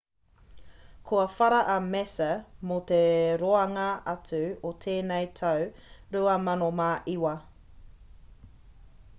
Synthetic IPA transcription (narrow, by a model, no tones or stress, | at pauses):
kʰuɐfɐɾɐʔɐmɛsɐmot̪eɾoɐŋɐɐt͡sʉot̪ʰeːnejt̪ʰɐwɾuɐmɐnomaʔiwɐ